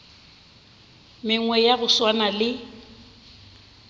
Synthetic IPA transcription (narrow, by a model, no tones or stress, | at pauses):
mɪŋwɛjabʊswanalɪ